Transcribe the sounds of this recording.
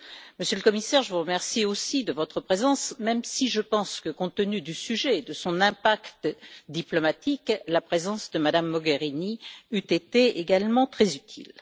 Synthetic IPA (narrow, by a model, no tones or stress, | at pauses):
məsjøləkɔmisɛʁʒəvuʁəmɛʁsiosid̪əvɔt̪χəpχezɑ̃smɛmsiʒəpɑ̃skəkɔ̃t̪ənyd̪ysyʒɛed̪əsɔ̃nɛ̃pakt̪d̪iplɔmat̪iklapχezɑ̃sd̪əmad̪amːɔɡeʁiniyt̪et̪eeɡalmɑ̃t̪χɛzyt̪ʰḭl